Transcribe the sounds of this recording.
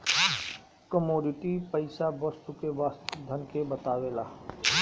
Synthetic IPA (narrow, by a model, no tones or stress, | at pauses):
kəmoːɖɪʈipəɪsabɔst̪ukeʋaːst̪d̪ʱənkebət̪aːʋelaː